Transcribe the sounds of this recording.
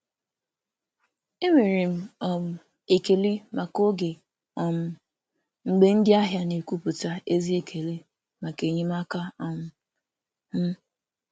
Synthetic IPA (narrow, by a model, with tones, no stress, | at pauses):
e˦ŋʷe˨ɾi˨m̩˦ɔ˨m̩˨ | e˨ke˨li˦ma˨ko˦ɡe˨ | ɔ˨m̩˨ | ŋ͡m̩˨ɡ͡be˦n̩˦dɪ˦a˦ɦja˦ne˨ku˦pu˨ta˦e˦zi˦e˨kʰe˨li˦ | ma˨ke˨ɲi˦ma˦ka˦ɔ˨m̩˨ | m̩˦